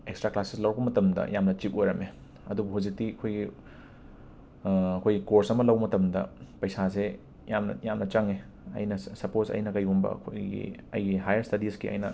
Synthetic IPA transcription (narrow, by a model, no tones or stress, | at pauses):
ekstɾaklaseslɐwbɐmɐtɐmdɐ̰jamnɐt͡ʃip̚ojɾɐme | ɐdubuɦuzik̚tiɐkʰojɡi | ɐkʰojɡikoɾsɐmɐlɐwbɐmɐtɐmdɐ̰pɐjsase | jamnɐ̰jamnɐt͡ʃɐŋe | ɐ̰jnɐsɐposɐ̰jnɐkɐjumbɐ̰ɐ̰kʰo̰jɡḭɐ̰jɡiɦajɐɾstɐdiskiʔɐ̰jnɐ